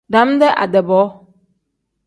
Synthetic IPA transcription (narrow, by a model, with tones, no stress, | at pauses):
ɖã˨˦m˦d̪ɛ˦ʔa̰˨dɛ˨bɔ˨˦